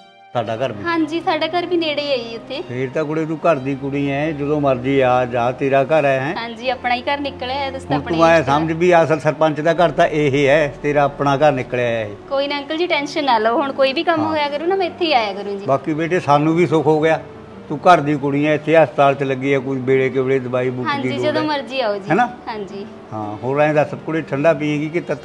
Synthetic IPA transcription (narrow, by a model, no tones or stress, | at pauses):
saːɖaːkəɾbiɦãːd͡ʒiːsʰaːɖaːkəɾbiːneːɽeiːaːiʊt̪ʰːeːpʰɪɾt̪ãːkʊɽeːt̪ũːkəɾd̪iːkʊɽiːɛ̃ːd͡ʒəd̪õːməɾd͡ʒiːaːd͡ʒãːt̪eːɾaːkəɾɛːɦɛ̃ːɦãːd͡ʒiːəpnaːiːkəɾnɪkljaːt̪ʊsɦʊɳt̪ʊãːsəmd͡ʒbiːəsəlsəɾpəɲt͡ʃd̪aːk̬əɾt̪ãːʔeːɦeːɛːt̪eːɾaːəpɳaːkəɾnɪkljaːaːɦeːkoːiːnaəŋkəld͡ʒiːʈɛːnʃənːaːlooɦʊɳkoːiːbiːkəmɦoːjaːkəɾũːnamɛ̃ɪt̪ʰːeiːaːjaːkəɾũd͡ʒiːbaːkiːbeːʈeːsaːnũːbiːsʊkʰɦoːɡɪjaː | t̪ũːkəɾd̪iːkʊɽiːãːɪt̪ʰːeːəst̪aːlt̪ləɡːiːɛːkʊibeːɽeːkeʋɽeːd̪əbaːiːbʊɦãːɲd̪iːiːd͡ʒəd̪õːməɾd͡ʒiːaːoːd͡ʒiɦɛːnaːhãːɲd͡ʒiː | hãːɦoːɾãːẽːd̪aːsəb̚kʊɽeːʈʰəɳɖaːpĩːẽːɡiːkɪt̪ət̪